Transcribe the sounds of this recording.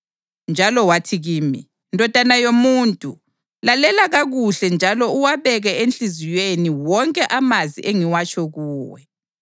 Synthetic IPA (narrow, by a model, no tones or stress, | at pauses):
nd͡ʒʱalɔwatʰiɣiːmḭ | ndʱɔd̥ʱanajomuːntʼu | lalɛlaɣaɣuɬɛnd͡ʒʱalɔuwaβɛɣɛent͡ɬʼizijeniwɔŋkʼɛʔamazḭʔeŋiwat͡ʃʰʼɔɣuːwɛ̰